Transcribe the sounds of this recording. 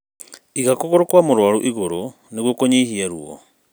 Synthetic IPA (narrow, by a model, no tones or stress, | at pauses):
iɣakoɣoɾokwamoɾwaɾo̰ʔiɣoɾo | neɣwokoɲihiaɾuɔ̰